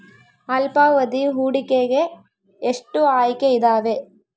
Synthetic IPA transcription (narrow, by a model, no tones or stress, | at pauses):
ɐlpaːʋɐðiɦuːɽɪkːeːɣe | ɛʂʈːɯaːjkːɐɪðaːʋeː